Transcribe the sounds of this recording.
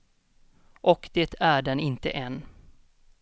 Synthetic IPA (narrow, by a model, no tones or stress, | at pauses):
ʔɔkd̪̥eːt̪ʰæɖɛnɪnt̪ə̰ʔɛn